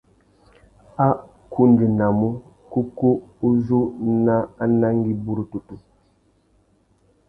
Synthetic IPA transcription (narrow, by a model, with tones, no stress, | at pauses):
a˦ | kʰu˦ndi˨na˨mu˦ | ku˦ku˦u˦zu˦na˦a˦na˦ŋ˦ɡi˦bu˦ɾu˨tu˨tu˨